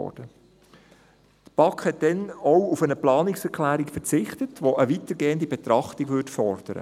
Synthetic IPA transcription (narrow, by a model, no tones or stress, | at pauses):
ɔ̰ːd̥ə | t̪b̥ɑkχhɛt̚d̥ɛnɔwufənəplɑːnɪksɛɾklæːɾikfəɾt͡sɪχtətʋoʔəʋit̪əɾɡeːəndibɛt̪ɾɑχtiɡʋʏtfɔrd̥əɾə̰